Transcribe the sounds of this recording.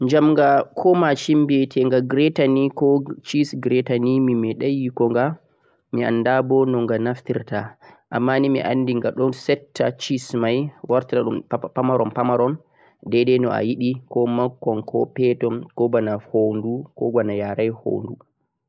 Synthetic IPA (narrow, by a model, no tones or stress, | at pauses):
ɲd͡ʒamŋɡakʰɔmat͡ʃimbɛtʰɛŋɡaɡɾɛtanikɔt͡ʃisɡɾɛtanimimɛɗajikɔŋɡa | mia̰nːdabɔnɔŋɡanaftiɾtaʔamːanimḭʔa̰nːdiŋɡaɗɔnsɛtʰːat͡ʃismajwaɾtaaɗumpamaɾɔmpamaɾɔn | dɛdɛnɔa̰jiɗikɔmakːɔnkɔ̰pɛtɔnkɔbanahondukɔɡwanajaɾajho̰ndu